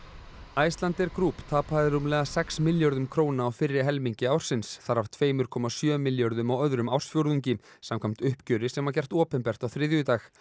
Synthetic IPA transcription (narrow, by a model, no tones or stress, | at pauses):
aːjst̪lant̪ɛɾkɾuːpt̪ʰaːpaðɪɾumlɛːɣasɛksmɪljɔɾðʏmkʰɾoːwnaːwfɪrːɪɦɛlmiɲcɪaːwɾ̥sɪnsθaɾaft̪ʰveːjmʏɾ̥kʰɔmasjœːmɪljɔɾðʏmawœðɾʏmaw̥sfjowɾðuɲcɪsamkʰam̥t̪ʏhpcœːɾɪsɛmacɛr̥t̪ɔːpɛnpɛr̥t̪awθɾɪðjʏt̪aːx